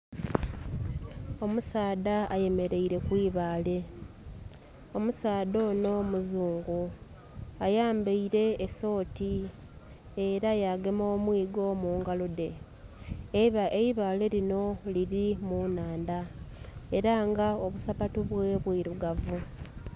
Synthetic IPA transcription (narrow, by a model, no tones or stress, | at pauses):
o̞musaːdaaje̞me̞ɾe̞iɾe̞kwiːβaːle̞ | o̞musaːdo̞ːno̞muzuːŋɡu | ajaːmbeiɾe̞ːso̞ːti | eɾajaːɡemoːmwiːɡo̞muːŋɡalude̞ | eβaeiβaːle̞ɾino̞liɾimunaːnda | e̞ɾaŋɡao̞βusapatuβwe̞βwiɾuɡavu